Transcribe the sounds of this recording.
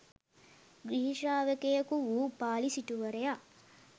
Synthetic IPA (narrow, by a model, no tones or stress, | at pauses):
ɡɾiɦiʃaːʋekejɐkuʋupaːlisiʈuʋɐɾeja